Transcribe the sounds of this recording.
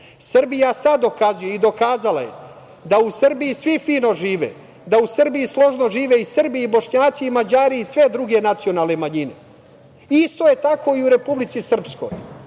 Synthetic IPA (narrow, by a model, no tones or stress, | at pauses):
sr̩bijasad̪o̞kazujeid̪o̞kaːzala̰jḛ | d̪ausr̩bijisʋifiːno̞ʒiːʋḛ | d̪ausr̩bijislˠo̞ʒno̞ʒiːʋeisr̩biːbo̞ʃɲaːt̪siːmad͡ʑaːɾiːsʋe̞d̪ɾuɡe̞nat̪sio̞naːlˠne̞maɲine̞̰ | ist̪o̞je̞t̪ako̞iuɾe̞publit̪sisr̩psko̞̰j